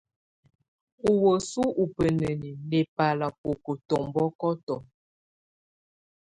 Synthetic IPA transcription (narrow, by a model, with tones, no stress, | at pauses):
u˨wə˨su˦ʔu˨pə˨nə˨ni˨ne˨pa˨la˨po˨kə˨tɔ˨mbɔ˦kɔ˦tɔ˨